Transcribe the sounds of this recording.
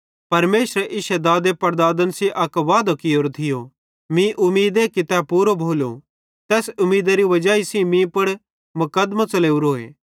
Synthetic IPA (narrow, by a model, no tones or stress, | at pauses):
pɐɾmeːsɾɛʔɪʃɛd̪aːd̪epɐɾd̪aːd̪ənsiʔɐkʋaːd̪okɪoːɾt̪ʰɪjo | mĩʔʊmiːd̪ekɪt̪ɛpuːɾobʱoːlo̰ | t̪ɛːsʊmːiːd̪aɾiʋɐd͡ʒaːisĩmĩpɐɽ | mʊkɐd̪mat͡sɐleːuɾoːḛː